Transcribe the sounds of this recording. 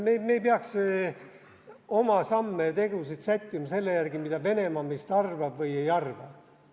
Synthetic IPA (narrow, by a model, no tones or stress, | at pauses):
memejpeɑkse | o̞mɑsɑmːet̪e̞ɡ̥usit̪sæt̪ʲkimɑse̞lːejærɡ̥imid̪̥ɑve̞ne̞mɑmest̪ɑrvɑb̥vɤje̞jɑrvɑ